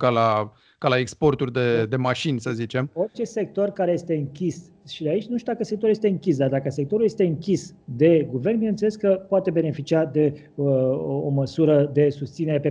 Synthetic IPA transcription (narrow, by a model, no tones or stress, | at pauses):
kala | kalaekspo̞rt̪urʲd̪ed̪e̞maʃinʲsəzit͡ʃe̞mo̞rt͡ʃe̞se̞k̚t̪o̞rkaɾe̞je̞st̪e̞ɨŋkʲis | ʃid̪eait͡ʃʲnuʃt̪ud̪akəsek̚t̪oulje̞st̪eɨŋkʲisd̪ard̪akəse̞k̚t̪o̞ɾulje̞st̪e̞ɨŋkʲisd̪e̞ɡuve̞rnbinent̪seleskəpoat̪e̞be̞ne̞fit͡ʃiad̪e̞ | oməsuɾəd̪e̞sust̪sine̞ɾe̞pe